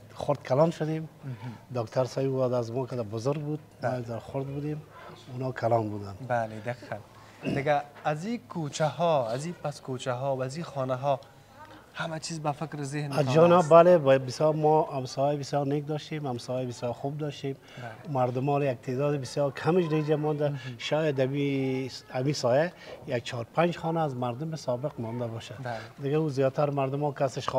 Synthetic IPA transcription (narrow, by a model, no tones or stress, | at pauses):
xʊɾd̪kʰalɔnʃʊd̪emd̪ɔkt̪ʰaɾsajwad̪azmɔkɪd̪abʊzʊɾɡ̚bud̪̚mɔːjaɡzaɾxʊɾd̪̚bud̪emunɔːkʰalɔnbud̪anbaled̪aqi̥qan | d̪ɪɡaːzikʰot͡ʃahɔazipaskot͡ʃaɦɔbazixɔnaɦɔ | hamat͡ʃʰizbafɪkɾzehnazd͡ʒɔnɔbalebbɪsjɔɾmɔamsɔjabɪsjɔɾnek̚d̪ɔʃt̪emhamsɔjabɪsjɔɾxub̚d̪ɔʃt̪em | maɾd̪ʊmɔljak̚t̪ʰed̪ɔːd̪ɪbɪsjɔɾkʰamɪʃ̬ɾeid͡ʒamɔnd̪aʃɔjad̪ami | amisɔjajak̚t͡ʃʰɔɾpʰand͡ʒxɔnaːzmaɾd̪ʊmɪsɔbɪqmɔnd̪abɔʃad̪d̪ɪɡauzijɔt̪ʰaɾmaɾd̪ʊmɔkasɪʃχ